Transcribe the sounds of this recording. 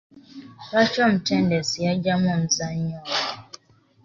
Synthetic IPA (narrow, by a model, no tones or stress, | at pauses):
wat͡ʃɔm̩tɛndɛsijad͡ʒamɔm̩zaɲjɔ